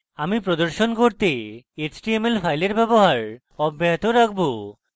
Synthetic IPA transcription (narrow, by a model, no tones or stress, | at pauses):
amipɾod̪oɾʃonkoɾt̪eet͡ɕʈiemelfʰajleɾbɛboɦaɾ | ɔbːeɦat̪oɾakʰbo